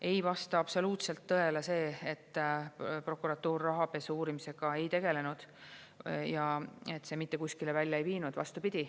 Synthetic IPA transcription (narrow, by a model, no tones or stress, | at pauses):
e̞jvɑst̪ɑɑb̥so̞luːt̪se̞lt̪ːɤe̞lese̞ːet̪ːˑ | pro̞kuɾɑt̪ːˑuːrːɑɦɑpe̞suːɾimise̞ɡ̥ɑe̞jt̪e̞ɡ̥e̞le̞nud̪̥ | jɑe̞t̪ːse̞mit̪ːe̞kuskilevælʲjɑejviːnud̪̥vɑ̰st̪upid̪̥ʲi